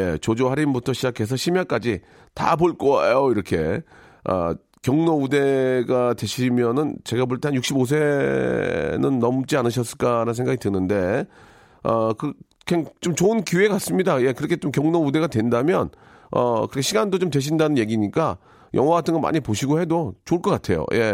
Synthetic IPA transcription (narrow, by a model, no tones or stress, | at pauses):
je̞t͡ɕod͡ʑoɦaɾimbutʰʌɕʰid͡ʑakʰe̞s̬ʰʌɕʰimjak͈ad͡ʑi | ta̰poɭk͈ʌḛjoiɾʌkʰe̞̰ | ʌ̰ | kjʌŋnoude̞ɡatwe̞ɕʰimjʌnɯnt͡ɕe̞ɡab̬oɭt͈eanjuk̚ɕ͈ʰibos̬ʰe̞ | nɯnːʌmt͡ɕ͈ianɯɕ̬ʰʌs͈ɯɭk͈aɾansʰeŋɡaɡitɯnɯnde̞ | ʌkɯ | kʰeŋt͡ɕomt͡ɕoɯnkjuekas͈ɯmɲidaje̞kɯɾʌkʰet͡ɕomkjʌŋnoude̞ɡadwe̞ndamjʌn | ʌ̰kɯɾikʰeɕʰiɡandot͡ɕomt̬we̞ɕ̬ʰindanɯnje̞ɡiɲik͈a | jʔʌ̰ŋɦwaɡatʰɯnŋɡʌnma̰ɲipoɕʰiɡohe̞dot͡ɕoɯɭkʌk͈atʰe̞̰jo̰jʔe̞